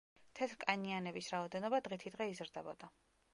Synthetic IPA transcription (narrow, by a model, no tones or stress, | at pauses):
t̪ʰɛt̪ʰɾkʼanianɛbisɾaɔd̪ɛnɔbad̪ʁit̪ʰid̪ʁɛizɾd̪ɛbɔd̪̥a